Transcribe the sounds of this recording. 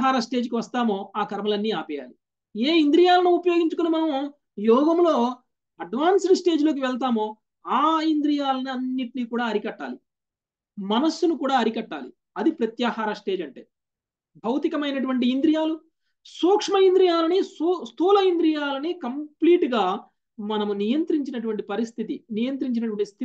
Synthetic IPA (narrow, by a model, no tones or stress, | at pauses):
ɦaːɾɐsʈe̞ːd͡ʒkiʋɐst̪aːmo̞ːaːkɐɾɐmɐlɐnːiːaːpɛja̰ːli | eːind̪ɾijaːlɐnuupɐjoːɡiɲt͡ʃukonimɐnɐm | jɔːɡɐmlo̞ː | ɐɖʋaːnssʈe̞ːd͡ʒloːk̬iʋɛɭt̪̬aːmo̞ː | aːind̪ɾijaːlɐnɐnːiʈiniːkuːɽaːɐɾikɐʈːa̰ːli | mɐnɐsːunukuːɽaːɐɾikɐʈːa̰ːlḭ | ɐd̪ipɾɐt̪jaːhaːɾɐsʈe̞ːd͡ʒɐɳʈḛː | bʱɐwt̪ikɐmɐjnɐʈuʋɐɳʈ̬iind̪ɾijaːlu | suːkʂmɐind̪ɾijaːlɐnisst̪ʰuːlɐind̪ɾijaːlɐnikɐmpliːʈɡaː | mɐnɐmunijɐnt̪ɾiɲt͡ʃinɐʈ̬uʋɐɳʈipɐɾist̪ʰit̪inijɐnt̪̬ɾiɲt͡ʃinɐʈ̬uʋɐɳʈist̪ʰi